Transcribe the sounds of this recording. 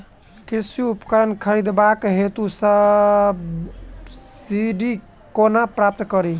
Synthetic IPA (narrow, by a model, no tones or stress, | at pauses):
kiɾsjuupkəɾənkʰəɾid̪bakɦet̪usəb | siɖi | konapɾap̚t̪kəɾi